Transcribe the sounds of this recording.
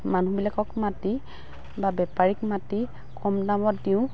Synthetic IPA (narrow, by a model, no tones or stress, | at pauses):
manũbilakɔkmati | babɛpaɹikmati | kʰɔmdamɔtdiʊ̃